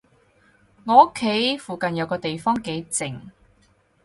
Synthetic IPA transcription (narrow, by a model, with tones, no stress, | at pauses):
ŋɔː˨˧o˥kʰːe˨˥jfuː˨kɐ˨njɐ˨˧wkɔː˧t̪e˨jfɔː˥ŋke˨˧˥jt͡sɪ˨˩ŋ